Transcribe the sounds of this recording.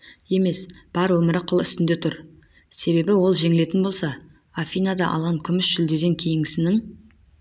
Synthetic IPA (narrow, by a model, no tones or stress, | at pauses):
je̞me̞sb̥ɑɾwɵmɪɾɪqʰʊlˠʏst̪ɪnd̪e̞t̪ʰʊɾ | se̞βe̞bɪwo̞lˠʒe̞ŋɪle̞t̪ɪnbo̞lˠsɑ | afʲijnad̪ɑʔɑ̰lˠʁɑŋkʲʰʏmɪsʒʏld̪e̞d̪e̞ŋkʲʰe̞jɪŋɪsɪnɪŋ